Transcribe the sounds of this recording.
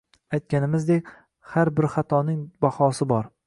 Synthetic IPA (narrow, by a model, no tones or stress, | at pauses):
ajt̪̚kʲanɪmɪzd̪ekʲ | haɾbɪɾχat̪ʰɒnɪŋbahɒsɪbɒɾ